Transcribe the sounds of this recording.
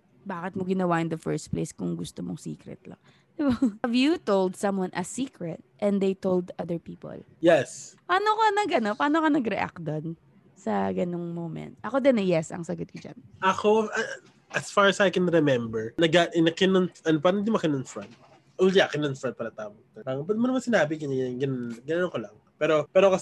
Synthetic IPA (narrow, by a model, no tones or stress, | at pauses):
baːkɪt̪moɡɪnɐwaʔɪ̃nd̪ɐfɛ̰ɹs̚plḛjskʊŋɡʊst̪omoŋsḭːkɾɛ̰t̪̚lɐ̰ŋ | d̪ɪbavjut̪owld̪̚sɐ̃mwɐ̃nʔɐsiːkɹɛt̪̚ʔɛ̃nd̪ejt̪old̪ʔɐðəɹpiːpo̰l | jɛspaːnokɐnɐɡɐnopaːnokɐnɐɡɾɛʔa̰k̚d̪on | sɐɡɐnoŋmowmɛ̰̃nt̪̚ʔɐkod̪ɛnɐjɛsɐ̰ŋsɐɡot̪̚kʊd͡ʒa̰nʔɐkoɐ | ʔɐsfaɹɐsajkɛnɾɛmɛmbɛɹnɐɡaʔɪnɐkɪnonʔɐnpaːɾɐŋɪd̪ɪmɐkɪnoŋfɹɐnt̪̚ | ʔont̪iʔakɪnɐŋfɾɐ̃nt̪̚paːɾɐt̪aːmot̪ɛpaɾɐŋpɛd̪mɐnɐmansɪnaːbɪɡɐɲɐnɡɐnɡɐnɐnoŋkolɐŋ | pɛːɾopɛːɾokɐs